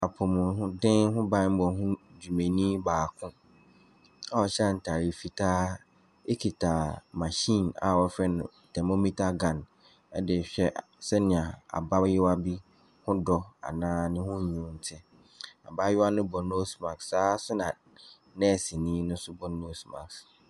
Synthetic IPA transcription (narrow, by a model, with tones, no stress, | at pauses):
a˨pʰʊ˨mʊ̃˨ɦʊ̃˦dɪ̃˦nɦʊ̃˦bã˦m̩˦bɔ˨ɦʊ̃˦d͡ʑu˨mẽ˨nĩː˦baː˨kʰʊ̃˦ | a˨wɔ˨ɕɛ˦a˦˨n̩˨tʰa˨ɾi˨fi˨tʰaː˦ | e˦kʰi˨tʰa˨mã˨ɕĩ˦˨na̰˨wɔ˦fɾɛ˦nʊ̃˨ | tʰɛ˨mo˦mi˦tʰa˦ɡã˨n | ɛ˦dɪ˨ɕᶣɛ˦ʔ | sɛ˦nɪ̃˨a˨a̰˨ba˦jɪ˦wa˦bi˦ | hʊ̃˦dɔ˦a̰˨nãː˦nɪ̃˦hʊ̃˦˨ɲũ˨˦n̩˨tʰɪ̃˦ | a̰˨ba˦jɪ˦a˦nʊ̃˦bɔ˨no˦smã˨kssaː˨˦sʊ˦nã˨ | nɛ˦˨sɪ˨nĩ˦nʊ̃˦sʊ˦bɔ˦no˦sma̰˨ks